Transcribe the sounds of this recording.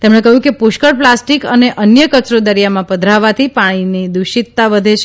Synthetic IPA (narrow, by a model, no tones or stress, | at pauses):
t̪emɽ̃ekəɦjũkepʊʃkəɽplasʈikəneʔənjəkət͡ʃɾod̪əɾijamãpəd̪ʱɾaʋat̪ʰipaɽ̃inid̪uʃit̪ːaʋəd̪ʱet͡ʃʰ